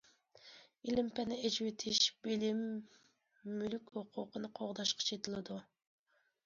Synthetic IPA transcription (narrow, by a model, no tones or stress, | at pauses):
ilɪmpɛnɪed͡ʒwet̪ʰɪʃbɪlɪmː | ylykʲhoqʰʊqənɨqʰoʁd̪ɑʃqʰɑ̥t͡ʃʰet̪ʰɪlˠɨd̪u